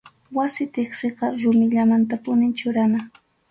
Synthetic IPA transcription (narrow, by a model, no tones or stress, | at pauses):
wasɪt̪eχseqɑɾʊmɪʎamant̪apʊnɪnt͡ʃʊɾana